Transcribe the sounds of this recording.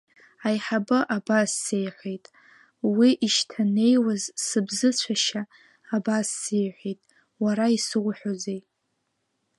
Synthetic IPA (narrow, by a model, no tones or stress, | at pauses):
ajħabɨʔabasːejħʷejtʼ | wiʔiʃtʰane̞jwazsɨbzɨt͡ɕʷʰaʃaː | basːejħʷitʼ | waɾaisɨʁʷħʷᶣozejʼ